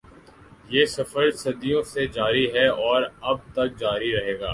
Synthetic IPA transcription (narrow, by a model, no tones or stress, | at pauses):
jeːsɐfəɾsɐd̪ijõsed͡ʒaːɾiɦɛɔːɾɐb̚t̪ɐk̚d͡ʒaːɾiɾɐɦeːɡa̰ː